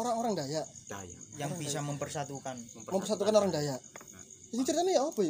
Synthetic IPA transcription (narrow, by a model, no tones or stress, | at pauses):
oɾaŋoɾaŋdajaʔjaŋbisaməmpərsat̪ukanməmpərsat̪ukanoɾaŋdajaʔ | iŋt͡ʃəɾit̪anijaob̥e